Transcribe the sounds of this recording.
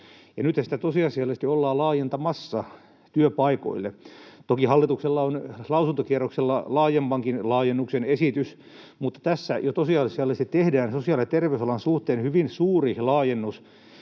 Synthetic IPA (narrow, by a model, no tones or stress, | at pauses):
jɑnyt̪hæsit̪æt̪osiɑsiɑlːest̪iolːɑːlɑːjent̪ɑmɑsːɑ | t̪yøpɑiko̰ilːet̪okihɑlːit̪ukselːɑonlɑusunt̪okierokselːɑlɑːjempɑŋkinlɑːjenːuksenesit̪ys | mut̪ːɑ̥t̪æsːæ̰jot̪osiɑsiɑlːest̪it̪ehdæːnsosiɑlet̪erʋeysɑlɑnsuht̪eːnhyʋinsuːrilɑːjenːus